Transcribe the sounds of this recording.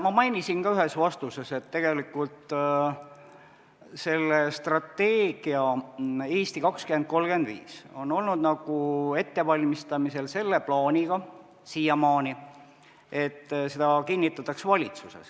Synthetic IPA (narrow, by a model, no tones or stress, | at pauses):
mɑmɑjnisinkɑyɦe̞svɑst̪use̞se̞t̪ːe̞ɡ̥e̞likːˑult̪ | se̞lːest̪rɑt̪ːe̞ːɡ̥iɑeːst̪ikɑkskymend̪̚ko̞lɡend̪̥vḭːso̞no̞lnud̪nɑɡ̥ue̞t̪ːe̞vɑlʲmist̪ɑmise̞lse̞lːe̞plɑːnʲiɡ̥ɑ | sijɑmɑːni | e̞t̪ˑːse̞d̪ɑkinʲːit̪ːˑɑt̪ːˑɑksvɑlʲit̪suse̞̰s